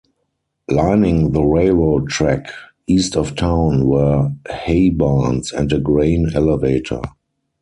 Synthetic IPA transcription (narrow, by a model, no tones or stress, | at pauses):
lãɪnɪ̃ŋðəɹeɪlɹoʊtʰɹæk | iːstɔftʰãʊ̃nwɜ˞heɪbãnsɛ̰̃ntəɡɹẽɪ̃nɛləveɪtʰə̰˞